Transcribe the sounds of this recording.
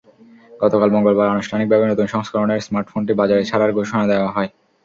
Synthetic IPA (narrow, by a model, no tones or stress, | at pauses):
ɡ̥ɔt̪okalbɔŋɡolbaɾanuʃʈʰanik̚bʱabenot̪unʃɔŋskʰaɾoneɾsmaɾʈfonʈibad͡ʑaɾet͡ɕʰaɾaɾɡʱoʃonad̪eoaɦɔe